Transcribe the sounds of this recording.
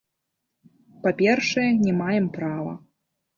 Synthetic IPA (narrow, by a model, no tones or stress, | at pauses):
papʲɛrʂɐjɛnʲɛmajɛmpɾavɐ̰